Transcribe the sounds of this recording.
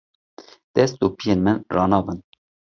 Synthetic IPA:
d̪̥ɛst̪̚d̪oːpʰijenmɨnrɑːnɑːbɨn

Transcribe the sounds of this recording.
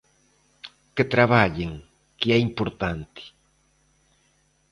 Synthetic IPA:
ket̪ɾaβaʎɪŋ | kɪɛimpoɾt̪ant̪ɪ̥

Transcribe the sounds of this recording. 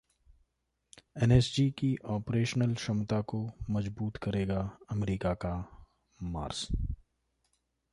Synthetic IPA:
ɛːnɛːsd͡ʒikiʔɔːpɾeːʃnəlʃɐmt̪akomɐzbuːt̪kɐɾeːɡaɐmɾiːkaka | ma̰ːɾs

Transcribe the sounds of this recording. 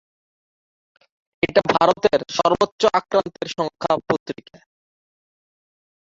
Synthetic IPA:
eʈabʱaɾot̪eɾʃɔɾbotːɕoʔakɾant̪eɾʃɔŋkʰapot̪ɾike

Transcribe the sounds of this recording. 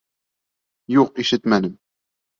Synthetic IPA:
juʁqiʃət̪mænəm

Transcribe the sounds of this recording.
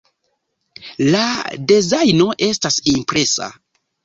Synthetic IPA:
ladezajno̞ʔe̞stasimpɾe̞sa̰

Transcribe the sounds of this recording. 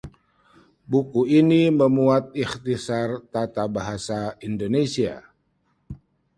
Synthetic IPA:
bukuiniməmuat̪̚ixt̪isart̪at̪abaɦasaindonesia̰

